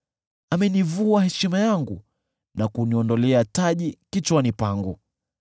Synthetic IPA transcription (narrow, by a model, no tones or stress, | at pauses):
amɛnivuahɛʃimajaŋɡu | nakuniɔndɔlɛataʄikit͡ʃwanipaŋɡu